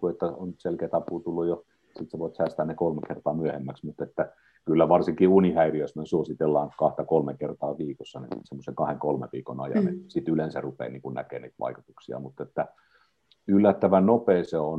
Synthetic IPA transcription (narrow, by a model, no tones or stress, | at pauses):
kuet̪ːæonselkeːt̪ɑpuːt̪ulːujo | sit̪seʋoˑit̪sæˑst̪æːnnekolmekert̪ɑːmyøhemːæksmut̪et̪ːæ | kylːæʋɑrsiŋkiunihæiriøsmænsuosit̪elːɑːŋkɑht̪ɑkolmekert̪ɑːʋiːkosːɑnḭsemːoseŋkɑheŋkolmḛʋiːko̰nɑjɑ̰nesit̪ylensærupḛːnḭːŋkunnæ̰kḛːnḭːt̪ʋɑ̰ikut̪uksiɑ̰mut̪ːet̪ːæ | ylːæt̪ːæʋænopeːseon